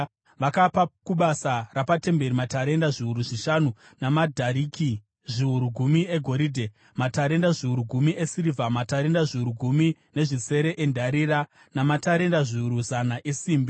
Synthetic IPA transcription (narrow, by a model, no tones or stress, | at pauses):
ʋakapakuɓasarapate̞mbe̞ɾimataɾe̞ndaʐiuɾuʐiʃanu | namadʱaɾiːki | ʐiuɾuɡʱumie̞ɡʱo̞ɾiːdʱe | mataɾe̞ndaʐiuɾuɡʱumie̞sirivʱamataɾe̞ndaʐiuɾuɡʱumi | ne̞ʐise̞ɾe̞ʔendʱaɾira | namataɾe̞ndaʐiuɾuzanaʔe̞siːmbi